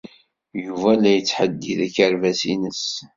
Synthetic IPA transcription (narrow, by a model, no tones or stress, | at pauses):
juvælæjət͡sːħəd̪ːiðæçəɾvæsinəs